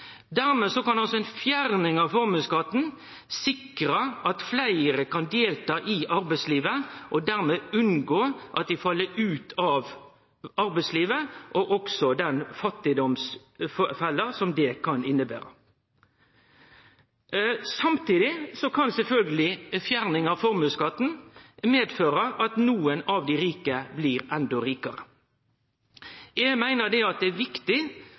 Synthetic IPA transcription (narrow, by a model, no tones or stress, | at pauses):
d̪æɾmeːsɔkɑnɑlsɔɛɪnfjæʁnɪŋɑʋfɔʁmʉskɑt̪ːn̩ | sɪkɾəʔɑt̪flæɪəɾəkɑnd̪eːlt̪ɑːʔɪʔɑɾbæɪsliːʋəʔɔd̪æʁmeːʉnɡoːʔɑ̰t̪̚d̪ɪfɑlːəʉːt̪ʰɑʋ | ɑɾbæɪsliːʋəʔɔʔɔksɔd̪ɛnfɑt̪ːɪd̪ɔms | ffɛlːəsɔmd̪ɛkʰɑnɪnːəbæ̰ːɾə | sɑmt̪iːd̪ɪsɔkʰɑnsɛlfœlɡəlɪfjæɾnɪŋɑfɔɾmʉːskɑt̪n̩meːd̪føːɾəʔɑt̪nuːənɑʋd̪ɪɾiːkəbliːɾɛnd̪ɔɾiːkɑɾə | jɛɡmæɪnəd̪ɛɑt̪̚d̪ɛæʋɪkt̪ɪ